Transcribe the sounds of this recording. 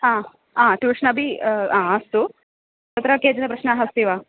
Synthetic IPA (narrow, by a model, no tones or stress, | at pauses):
aː | aːʈuʋiʂɐnɐbʱiaːɐst̪u | ɐt̪ɐɾɐkeːd͡ʒɐnɐpɾɐʃnɐɦɐst̪iːʋaː